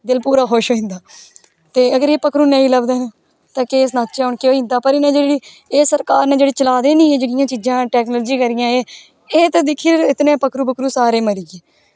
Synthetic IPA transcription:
d̪ɪlpuːɾaːɦoʃɦoːĩnd̪aː | t̪eːəɡəɾeːpəkɾuːneːĩːləbd̪eːnː | t̪ãːkeːs̬naːt̪t͡ʃaːʊɳkeoːĩːnd̪aːpəɾɪnãːd͡ʒeːɽiː | eːsəɾkaːɾnẽːd͡ʒeːɽiːt͡ʃəlaːd̪eːnĩːeːd͡ʒeːɽɪjãːt͡ʃiːd͡ʒãːʈɛːknoːlːd͡ʒiːkəɾɪjãːeː | eːt̪aːd̪ɪkʰːiːɪt̪nẽːpəkʰɾuːpəkɾuːsaːɾeːməɾiːɡeː

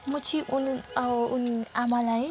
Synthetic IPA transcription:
mut͡sʰiʔununamalaj

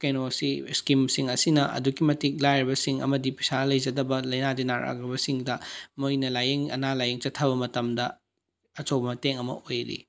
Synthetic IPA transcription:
kejnosiskimsiŋɐsinɐʔɐ̰duɡimɐtik̚lajɾibɐsiŋɐ̰mɐdipi̥salɐjd͡ʒɐdɐbɐlɐjnadinaɾa̰ɡɾibɐsiŋdɐmojnɐlajeŋɐ̰nalajeŋt͡ʃɐtʰːɐβɐmɐtɐmdɐ | ɐt͡ʃowbɐmɐteŋɐmɐ̰ʔojɾḭ

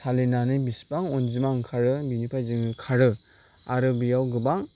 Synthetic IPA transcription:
tʰalinanɯbispaŋɔnzimaŋkʰaɾɯbinipʰajzɯŋɯkʰaɾɯ | aɾɯbijawɡɯbaŋ

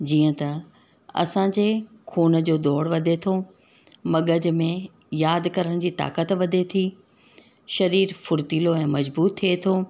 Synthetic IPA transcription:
d͡ʑiːə̃t̪ɐ | ɐ̰sãd͡ʑeː | kʰuːnəd͡ʑoːd̪ɔːɽʋɐd̪ʱet̪ʰo | mɐɠəd͡ʑmẽ | jaːd̪kɐɾəɽ̃d͡ʑiːt̪a̰ːkət̪ʋɐd̪ʱet̪ʰiː | ʃɐɾiːɾfʊɾt̪iːloɛ̃ːmɐd͡ʑbuːt̪ʰːiet̪ʰoː

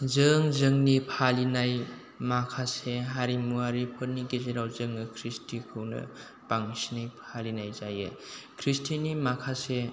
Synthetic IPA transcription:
zɯŋzɯŋnipʰalinaj | makʰaseɦaɾimuɦaɾipʰəɾniɡezeɾawzɯŋnɐkʰɾistʰikʰɯwnɐ̰ | paŋsinajpʰalinajzajḛkʰɾistʰinimakʰase

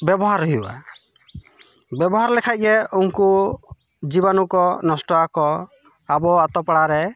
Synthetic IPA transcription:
bjɛbɔɦaɾɔɦia̰ | bjɛbɔɦaɾlɛkʰac̚ˀɡɛuŋku | d͡ʒiβanukɔnɔsʈɔakɔ | abɔat̪ɔpaɽaɾɛ

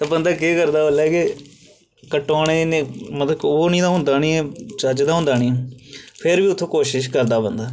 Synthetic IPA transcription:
t̪aːbənd̪aːk̬eːkəɾd̪aːolaːke | kəʈːoːñẽːnemət̪əoːnĩːd̪aːɦʊ̃nd̪aːniːɛːt͡ʃəd͡ʒd̪aːɦʊ̃nd̪aːnĩːpʰɪɾʋiːʊt̪ʰːõːkoːʃɪʃkəɾd̪aːbənd̪aː

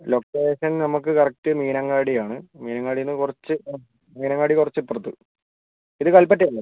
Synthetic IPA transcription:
loːkːeːɕɐnnɐmukːɨkɐrɐk̚ʈɨmiːnɐŋːaːɽijaːɳɨmiːnɐŋːɡaːɽijonːɨkurɐt͡ɕːɨ | miːnɐŋɡaːɽikurɐt͡ɕːɨipːɨrɐt̪ːɨ | iðɨkɐlpɐʈ̬ːɐjɐlːɐ

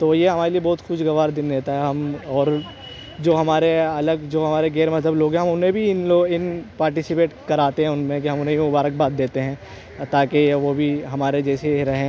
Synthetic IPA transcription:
t̪oːjeɦɐmaːɾeliebɔːt̪xʊʃɡɐʋaːɾd̪ɪnd̪eːt̪aɦɛɦɐmɔːɾ | d͡ʒoːɦɐmaːɾeɐləɡd͡ʒoːɦɐmaːɾeɡɛːɾmɐt̪əbloːɡɦɛ̃ɦɐmʊnɦẽbʱiɪnloːɡɪnpaːɾʈɪsɪpeːʈkɐɾaːt̪eɦɛ̃ʊnmẽkiɦɐ̃mʊnɦẽimʊbaːɾək̚baːt̪̚d̪eːt̪eɦɛ̃ː | t̪aːkeʋobʱiɦɐmaːɾed͡ʒɛːseɾɐɦẽ

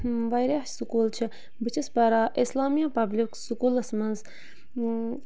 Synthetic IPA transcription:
ʋajɾaħsukuːlt͡ʃʰi | bɨt͡ʃʰispɐɾaːʔislaːmijapɐbliksukuːlɐsmɐnz

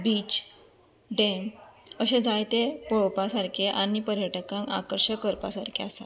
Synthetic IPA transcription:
biːt͡ɕ | ɖẽŋəɕed͡zajt̪epɔɭpasaɾkʰeʔaɽ̃ipəɾjəʈəkãŋka̰kəɾɕəkəɾpa̰saɾkʰeasa

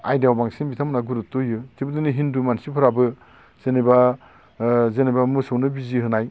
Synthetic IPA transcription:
a̰jdawbaŋsinbitʰamnaɡuɾut̚tojɯtibɯdɯniɦindumansipʰɯɾabɯ | z̥eniba | zenibamɯsɯwnɯbiziɦɯnaj

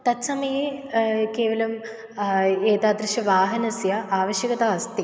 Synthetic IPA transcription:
t̪ɐt̪sɐmɐjɐkeːʋɐlɐm | eːt̪aːd̪ɾiʃɐʋaːɦɐnɐsjɐaːʋɐʃjɐɡɐt̪aːst̪i

